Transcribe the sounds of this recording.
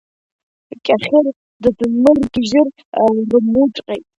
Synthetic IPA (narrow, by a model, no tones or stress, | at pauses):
kʲʼaχʲɪr | dɨdɨnmɨrɡʲɪʒɪr | rɨmuʈ͡ʂʼqʲʼejtʼ